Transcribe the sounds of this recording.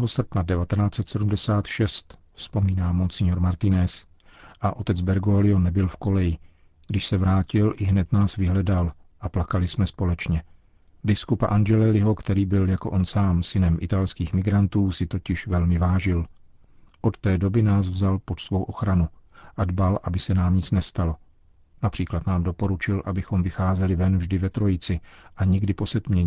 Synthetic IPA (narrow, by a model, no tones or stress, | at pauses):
ɦosr̩pnadɛvat̪ɛnaːt͡sɛt̪sɛdumdɛsaːt̪ʃɛst̪ | fspo̞miːnaːmont͡sɪɲoɾmaɾt̪ɪnɛs | ʔaʔo̞t̪ɛd͡zbɛɾɡolɪonɛbɪlfko̞lɛjɪ | ɡ̥dɪʃsɛvɾaːcɪlʔɪɦnɛt̪naːsvɪɦlɛdal | ʔaplakalɪsmɛspo̞lɛt͡ʃɲɛ | bɪskupa̰ʔand͡ʒɛlɛlɪɦo̞kt̪ɛɾiːbɪljako̞ʔo̞nsaːmsɪnɛmʔɪ̰t̪alskiːxmɪɡɾant̪uːsɪt̪o̞cɪʃvɛlmɪvaːʒɪl | ʔo̞t̪t̪ɛːdo̞bɪnaːsvzalpot̪svo̞wʔo̞xɾanuʔadbalʔabɪsɛnaːmɲɪt͡snɛst̪alo̞ | napr̝̥iːklat̪naːmdo̞po̞ɾut͡ʃɪlʔabɪxo̞mvɪxaːzɛlɪvɛnvʒdɪvɛt̪ɾo̞jɪt͡sɪʔaɲɪɡdɪpo̞sɛt̪mɲɛɲɪ